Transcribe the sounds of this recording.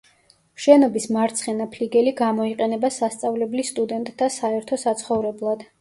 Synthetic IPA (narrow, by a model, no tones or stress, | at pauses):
ʃɛnɔbismaɾt̪sʰχɛnapʰliɡɛliɡamɔiqʼɛnɛbasast̪sʼavlɛblist̪ʼud̪ɛnt̪ʼːasaɛɾt̪ʰɔsat̪sʰχɔvɾɛblˠad̪̥